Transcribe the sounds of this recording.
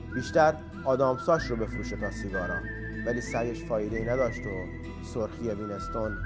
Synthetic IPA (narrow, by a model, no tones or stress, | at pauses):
biːʃt̪æɾ | ɒːd̪ɒːmsɒːʃrobe̞fɾuːʃe̞t̪ʰɒːsiːɡɒːɾæm | væliːsæɾjeʃfɒːjed̪e̞iːnæd̪ɒːʃt̪o | soɾxijeviːne̞st̪on